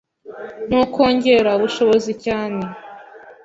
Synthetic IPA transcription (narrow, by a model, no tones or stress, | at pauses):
n̥ukʰo̞ːɲɟe̞ɾauβuʃo̞βozicaːne̞